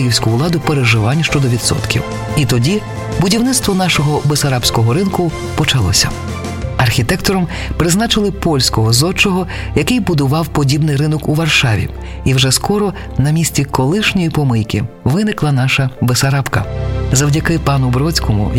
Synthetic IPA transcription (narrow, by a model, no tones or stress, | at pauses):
ɪjiwsʲkʊʊlˠɑd̪ʊpeɾeʒɪʋɑnʲːʃt͡ʃɔd̪ɔʋʲid̪sɔ̰t̪kʲḭw | it̪ɔdʲi | bʊdʲiwnɪt̪st̪ʋɔnɑʃɔɦɔbesɐɾɑbsʲkɔɦɔɾɪnkʊ | pɔt͡ʃɐlˠɔ̰sʲɐ̰ | ɐrxʲit̪ɛkt̪ɔɾɔm | pɾɪznɑt͡ʃɪlˠɪpɔlʲsʲkɔɦɔzɔt͡ʃɔɦɔ | jɐkɪjbʊd̪ʊʋɑwpɔdʲibnɪjɾɪnɔkuʋɐrʃɑʋʲḭ | iwʒɛskɔɾɔ | nɐmʲisʲt͡sʲikɔlˠɪʃnʲɔjipɔmɪjkʲɪ̰ | ʋɪnɪklˠɐnɑʃɐbesɐɾɑpkɐzɐwdʲɐkɪpɑnʊbɾɔt͡sʲkɔmʊ̰